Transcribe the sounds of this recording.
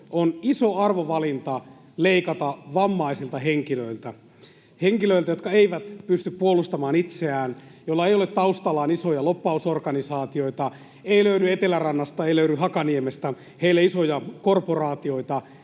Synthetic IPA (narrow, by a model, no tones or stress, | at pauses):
onisoɑrʋoʋɑlint̪ɑ | leikɑt̪ɑʋɑmːɑisilt̪ɑɦeŋkiløilt̪æ | heŋkiløilt̪æjot̪kɑeiʋæt̪pyst̪yppuolust̪ɑmɑːnit̪seæːn | jolːɑejolet̪t̪ɑust̪ɑlɑːnisojɑlopːɑusorkɑnisɑːt̪io̞it̪ɑ | eiløyɾyet̪elærɑnːɑst̪ɑeiløyɾyhɑkɑniemest̪æ | heilːeisojɑkorporɑːt̪io̞it̪ɑ